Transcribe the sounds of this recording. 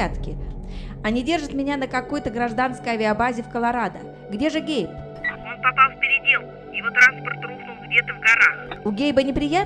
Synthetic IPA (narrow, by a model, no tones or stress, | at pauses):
at̪kʲɪ | ɐnʲɪdʲe̞rʐɨt̪mʲɪnʲanəkɐko̞jt̪əɡɾɐʐd̪anskəjɐvʲɪɐbazʲɪfkəlˠɐɾad̪ə | ɡdʲe̞ʐɨɡʲejp | o̞npɐpalˠfʲpʲɪɾʲɪdʲe̞lˠkʊ | jɪvot̪ɾanspərt̪ruxnʊlˠɡdʲe̞t̪əvɡɐɾaxʊɡʲejbənʲɪpɾʲɪjat̪